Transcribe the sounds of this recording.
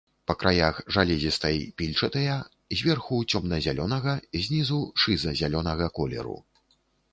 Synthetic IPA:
pɐkɾʔajaxʐalʲɛzʲist̪ɐjpʲilʲt͡ʂɐt̪ɐjɐ | zʲvʲɛrxut͡sʲɔmnɐzʲalʲɔnɐɣɐzʲnʲizuʂɨzɐzʲalʲɔnɐɣɐkɔlʲɛ̰ɾṵ

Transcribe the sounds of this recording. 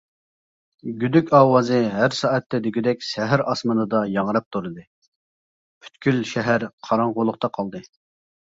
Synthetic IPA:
ɡʲyd̪ykʲʰɑːwɑːzɨɦæɾsɑːɛt̪ːɛd̪yɡʲyd̪ɛkʲʃɛɦæɾʔɑsmɑnɨd̪ɑjɑʁɾɑp̚t̪ʰuɾɨd̪ɨ | pʰy̥t̪kʲylʃɛɦæɾqʰɑɾɑŋʁʊlˠʊχqt̪ɑqʰɑlˠd̪ɨ

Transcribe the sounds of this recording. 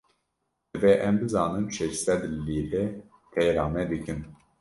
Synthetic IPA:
ɨvɛʔɛmbɨzɑːnɨmʃɛʃsɛd̪liːɾɛ | p̪ʰɛjɾaːmɛd̪ɨkɨn

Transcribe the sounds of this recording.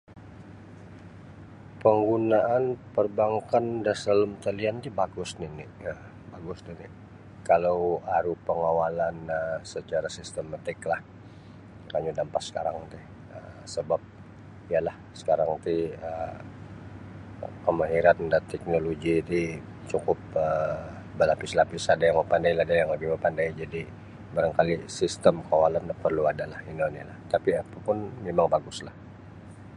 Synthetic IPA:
pəŋɡunaʔanpərbaŋkandasələmt̪əliant̪ibaɡʊsnɪnɪə | baɡʊsnɪnɪ | kalawaɾupəŋawalanəsət͡ʃaɾasist̪əmat̪ɪklah | kaɲudampat̪sə̥ka̰ɾa̰ŋt̪ɪh | əsəbap̚ | ijalahsə̥kaɾaŋt̪iə | kəmaɦiɾandat̪ɛk̚noloɡit̪i | t͡ʃukʊp̚ə | bəlapɪslapisadajaŋməpandailahdajaŋləbɪhməpandaid͡ʒadi | baɾaŋkalisist̪əmkawalandpərluadalahindonilaht̪apiapapʊnmemaŋbaɡʊslah

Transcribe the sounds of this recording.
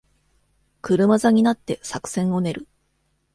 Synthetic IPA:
kɯ̟ɾɯ̟mazaɲ̟inat̪ːe̞sakɯ̟̥sẽ̞ɰ̃o̞ne̞ɾɯ̟

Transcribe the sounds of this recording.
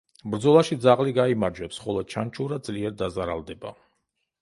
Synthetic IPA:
bɾd̪zɔlˠaʃid̪zaʁliɡaimaɾd͡ʒwɛpsχɔlˠɔt͡ʃʰant͡ʃʰuɾad̪̚zʼliɛɾd̪azaɾalˠd̪ɛba̰

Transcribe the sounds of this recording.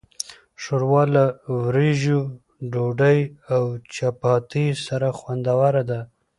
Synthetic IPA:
ʃoɾwɑlawɾeʒu | ɖoɖajawt͡ʃapɑt̪isaɾaxwand̪awaɾad̪a

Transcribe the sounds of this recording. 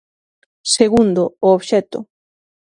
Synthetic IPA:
seɣund̪ʊːoβʃɛt̪ʊ̰

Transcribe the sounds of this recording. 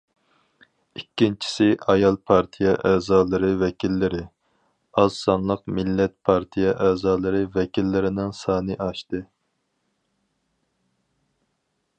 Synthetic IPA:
ikʲːint͡ʃʰi̥sɪʔɑjɑlˠpʰɑɾt̪ʰijɛ̰ʔæːzɑːlˠɨɾɨvɛkʲʰilːɪɾɪ | ɑzsɑnlˠəqmɪlːɛt̪̚pʰɑɾt̪ʰijɛʔæːzɑːlˠɨɾɨvɛkʲʰilːɪɾɪnɪŋsɑːnɨʔɑʃt̪ɨ

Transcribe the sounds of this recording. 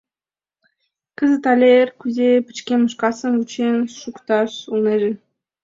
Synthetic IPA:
kə̆zə̆t̪ɑlʲerkʲyzepɘ̥̆t͡ɕkʲenmə̆ʃkɑsə̆mut͡ɕenʃukt̪ɑʃulˠneʒĕ

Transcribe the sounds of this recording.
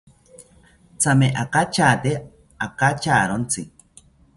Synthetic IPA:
t͡sameʔakat͡ʃaːt̪e | akat͡ʃaːɾont͡si

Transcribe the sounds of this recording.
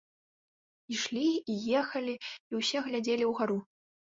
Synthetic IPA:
iʂlʲiːjɛxɐlʲiiwsʲɛɣlʲad͡zʲelʲiwɣaɾu

